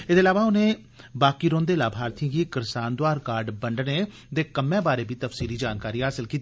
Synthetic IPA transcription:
ɪd̪eːlaːʋaʊnẽː | baːkiːɾõːnd̪eːlaːbʱaːɾt̪ijãɡiːkɪɾsaːnd̪ʊwaːɾkaːɾɖbəɳɖneː | d̪eːkəmẽːbaːɾeːbʱiːt̪əfsiːliːd͡ʒaːnkaːɾiːɦaːsɪlkiːt̪i

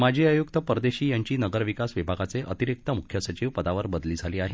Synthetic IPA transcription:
mad͡ʑʱiːəjukt̪əpəɾd̪eɕiːjaɲt͡ɕiːnəɡəɾʋikasʋibʱaɡat͡seʔət̪iɾik̚t̪əmukʰːjəsət͡ɕiʋpəd̪aʋəɾbəd̪liːd͡zʱaliːaɦe

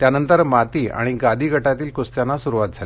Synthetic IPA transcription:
t̪janənt̪əɾmat̪iːa̰ɽ̃iɡad̪ʱiːɡʱəʈat̪iːlkost̪janːasuɾuʋat̪̚d͡zʱal

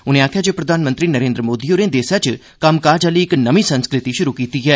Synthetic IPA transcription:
ʊnẽːaːkʰjaːd͡ʒeːpɾəd̪ʱaːnmə̃nt̪ɾiːnəɾẽːnd̪ɾəmoːd̪ioːɾẽːd̪eːsat͡ʃ | kəmkaːd͡ʒaːliːɪknəmĩːsənskɾɪt̪iʃʊɾuːkiːt̪iːɦɛː

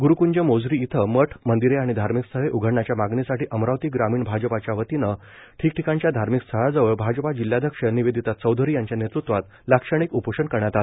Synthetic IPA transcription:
ɡuɾukuɲd͡ʑəmod͡zɾiːt̪ʰəməʈʰmənd̪iɾeaɽ̃id̪ʱaɾmikst̪ʰəɦeʔuɡʱəɽɳat͡ɕjamaɡnesaʈiːʔəmɾawt̪iɡɾamiːɳbʱad͡ʑəpat͡ɕjaʋət̪inə | ʈʰiːk̚ʈʰikãɲt͡ɕjad̪ʱaɾmikst̪ʰəɭad͡zəʋəɭbʱad͡ʑəpad͡ʑiljad̪ʱjəkʂəniʋed̪ʱit̪at̪t͡səwd̪ʱəɾiːjaɲt͡ɕjanet̪ɾut̪ʋat̪ | lakʂəɽ̃ikupəʂənkəɾɳjat̪ale

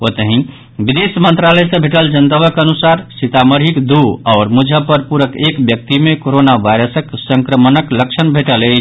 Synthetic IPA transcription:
ot̪əɦĩ | bid̪esmənt̪ɾaləjsə̃bʱeʈəld͡ʒənt̪əβəkənusaɾsit̪aməɾɦikd̪uɔːɾmud͡ʒʱəpəɾpuɾəkekbjək̚t̪imekoɾonaʋajɾəsəksəŋkɾəmənəkləkt͡ʃʰənbʱeʈəle

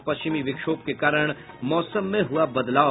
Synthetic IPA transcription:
pɐst͡ʃɪmiʋɪkʃoːp̚kekaːɾəɽ̃ | mɔːsəmːẽɦʊabɐd̪laːo

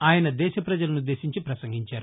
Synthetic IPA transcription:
aːjɐnɐd̪ɛːʃɐpɾɐd͡ʒɐlɐnud̪ːe̞ːʃiɲt͡ʃipɾɐsɐŋɡʱiɲt͡ʃaːɾu

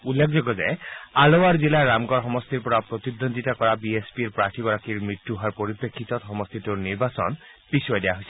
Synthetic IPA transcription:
ulːekʰzɔɡɔza̰jalowaɹzilaɹamɡɔɹxɔmɔst̪iɹpɔɹapɹot̪id̪ond̪itakɔɹabiespiɹpɹaʈʰiɡɔɹakiɹmɹitːuɦaɹpoɹipekʰːit̪ɔtxɔmɔst̪ʰit̪uɹniɹbasɔ̰n | bisɔɔjdɛjaɦojsɛ

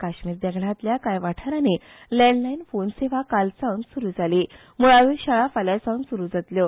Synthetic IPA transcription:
kaɕmiːɾd̪ɛɡɽ̤ãt̪ljakajʋaʈʰəɾanilɛɳɖlainfonseʋ̤akalsãwnsuɾuːd͡zʱaliː | muɭaʋiːɾɕaɭafaljasawnsuɾuːd͡zat̪ljo

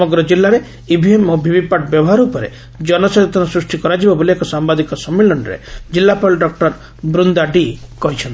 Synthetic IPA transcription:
ɔmɔɡɾɔd͡ʒilːaɾe | ibʱiemɔbʱibipaʈbjɔbɔɦaɾuːpɔɾḛ | d͡ʒɔnɔseɔt̪ɔnɔsɾusʈikɔɾad͡ʒibaboliekɔsambad̪ikɔsɔmːelɔɳɾḛd͡ʒilːapɔɭɖɔk̚ʈɔɾ | bɾund̪aɖikɔɦit͡ʃʰɔnt̪i

